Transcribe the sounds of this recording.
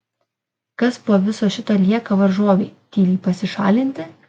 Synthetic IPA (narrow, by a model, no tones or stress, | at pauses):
kɐspoːʋʲɪsoːʃʲɪt̪oːlʲiɛkɐʋɐɾʒoɔʋʲeːt̪ʲiːlʲiːpɐsʲɪʃɑːlʲɪnʲt̪ʲɪ